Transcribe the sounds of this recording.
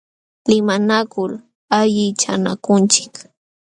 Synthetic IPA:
lɪmanakʊl | aʎɪt͡ʃana̰kʊnt͡ʃɪ̥k

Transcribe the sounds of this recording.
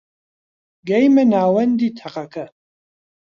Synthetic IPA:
ɡɐjmɐnaːwɐnd̪iːt̪ʰɐqɐkʰɐ

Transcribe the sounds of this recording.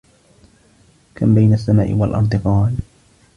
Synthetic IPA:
kambajnasːama̰ːʔɪ̰walʔɑ̰nt̪̬ˤɨqɑːl

